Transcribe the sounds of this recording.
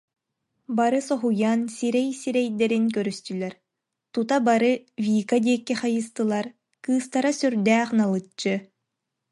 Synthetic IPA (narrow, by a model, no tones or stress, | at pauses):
baɾɯsɔɦujansiɾɛjsiɾɛjd̪ɛɾinkœɾyst̪ylɛɾ | t̪ut̪abaɾɯvʲiːkad̪ʲiɛkːiχajɯst̪ɯlˠaɾ | kɯːst̪aɾasyɾd̪æːχnalˠɯt͡ɕːɯ